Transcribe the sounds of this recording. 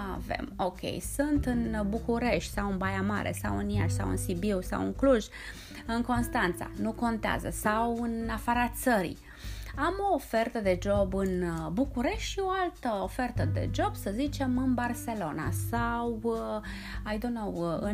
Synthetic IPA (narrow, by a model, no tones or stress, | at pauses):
avḛmo̞kʲe̞̰jsunt̪ɨnbukuɾe̞ʃt̪ʲsawɨnbajama̰ɾḛsawɨnija̰ʃsa̰wɨ̰nsibiwsa̰wɨ̰ŋkluʒ | ɨŋko̞nst̪ant̪sa̰nuko̞nt̪ea̰zə̰sawɨnafaɾat̪̚t̪səɾḭ | amo̞ːfe̞rt̪əd̪e̞d͡ʒo̞bɨnbukuɾe̞ʃt̪ʲʃio̞alt̪əofe̞rt̪əd̪e̞̰d͡ʒo̞b̥səzit͡ʃe̞mɨnbarse̞lo̞na̰saw | ajd̪onowɨ